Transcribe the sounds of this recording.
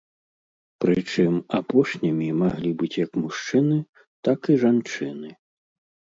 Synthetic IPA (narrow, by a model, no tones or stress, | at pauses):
pɾɨt͡ʂɨmapɔʂnʲimʲimaɣlʲibɨt͡sʲjɐkmuʂt͡ʂɨnɨ | t̪akiʐant͡ʂɨnɨ